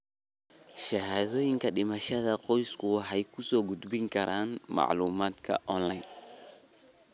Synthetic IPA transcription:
ʃɐɦaːðɔːjɪŋkʰɐɖɪmɐʃɐðɐqɔjskʰʊwɑħɛjkʰʊsɔːɡʊd̪bɪŋkʰɐɾaːnmɑ̰ʕluːmaːd̪kʰɐ̰ʔɔnlɐj

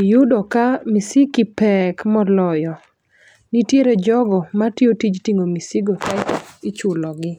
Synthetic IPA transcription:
jʊdɔkamisikipɛkmɔlɔjɔ | nitjeɾed͡ʒɔɡɔmatiotid͡ʒtiŋomisiɡotajtɔit͡ʃʊlɔɡɪ

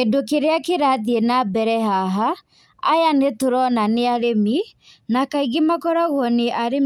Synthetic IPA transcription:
edokeɾeakeɾaðienabɛɾɛɦaɦaː | janetoɾɔnaneaɾemi | nakaiɣimakɔɾaɣɔneʔaɾe

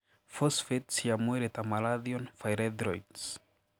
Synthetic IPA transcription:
fosfetsiamuɾet̪amaladionfajɾed̪ɾojds

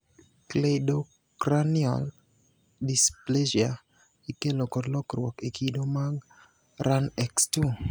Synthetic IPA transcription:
kledo | kɾaniɔ̰l | displeʒia | ikelokɔdlɔkɾwɔkekʰidomaɡ | ɾanɛkstu

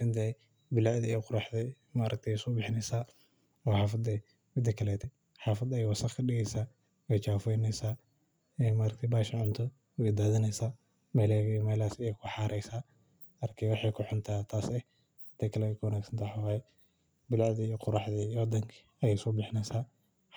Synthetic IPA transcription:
sɐnt̪ɛ | bɪlaʕðɛijɔqʊɾɑħdɛ | maːɾɐk̚t̪ʰɛjsɔbɪħɪnɛsaː | ɔħaːfɐd̪ɛ | mɪd̪ɐkʰɐlɛt̪ʰɛ | ħaːfɐd̪ɐjɛjwɐsɐχkʰɐɗɪɣɛjsaː | ɛjt͡ʃaːfɛjnɛsaː | ɛmaːɾɐk̚t̪ʰɛbaːʃɪʕʊnt̪ʰɔ | ɛɪd̪aːðɐnɛjsaː | mɛjlɛɡmɛlaːsɛjɛjkʰʊħaːɾʔɛjsaː | ɐrkʰɛwɑħɑjkʰʊħʊnt̪ʰaːt̪ʰaːsɛ | hɐt̪ʰɛkʰɐlɛɛkʰʊwɐnaːɡsɐ̥nt̪ʰaħawaːjɛ | bɪlaʕðɪijɔqʊɾɑħðɛwɔd̪ɐŋkʰɪ | ɐjɛɪsɔbɪħnɛsaː

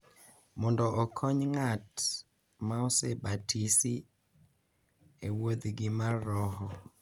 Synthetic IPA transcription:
mɔndɔʔːkʰɔɲŋat | maɔsebatʰisi | ewod̪ɡɪmaɔhɔ

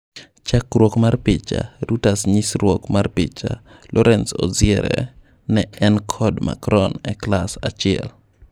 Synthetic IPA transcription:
t͡ʃakɾwokmarpɪt͡ʃa̰ɾutasɲɪsɾwokmarpɪt͡ʃalʔɔɾʔɛnsɔ̰zɪɛɾɛ̰ | nɛɛnkʰɔdma̰kɾɔnɛklasat͡ʃɪɛ̰l

